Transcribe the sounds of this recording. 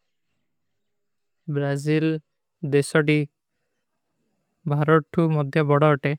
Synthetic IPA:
bɾazil | d̪esɔʈi | bʱaɾɔʈʰumɔd̪ʱjɔbɔɽɔɔʈe

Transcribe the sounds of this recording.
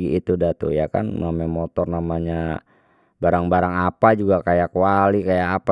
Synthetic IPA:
iit̪udat̪ṵjaka̰namɛmɔt̪ɔrnamaɲa | baɾaŋbaɾaŋapad͡ʒuɡakajakuwalikajaːp

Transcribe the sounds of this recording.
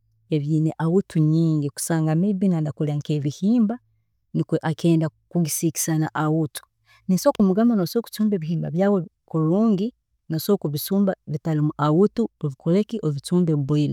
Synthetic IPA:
eβjiːneʔawutʰuɲiːŋɡiku̥saːŋɡamebinandakulaŋkeβihiːmba | nikweʔakeːndakuɡisiki̥sanaʔawutu̥ | nisokumuɡamanosoku̥t͡suːmbeːβihiːmba̰βjawe | kuɾuːŋɡi | nosokuβisuːmbaβitalimuʔawutuoβikulekiʔoβit͡suːmbeβila

